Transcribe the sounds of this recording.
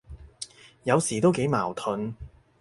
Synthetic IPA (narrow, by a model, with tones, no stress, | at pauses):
jɐ˨˧wsiː˨˩t̪o˥wke˨˥jmaː˨˩wt̪ʰɵ˨˧n